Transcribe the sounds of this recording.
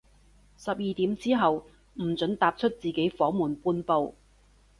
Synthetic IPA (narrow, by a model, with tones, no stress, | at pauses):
sɐ˨p̚jiː˨t̪iː˨˥mt͡siː˥ɦɐ˨w | m̩˨˩t͡sɵ˨˥nt̪aː˨p̚t͡ʃʰɵ˥t̚t͡siː˨˩ke˨˥jfɔː˨˥muː˨˩npuː˧npo˧w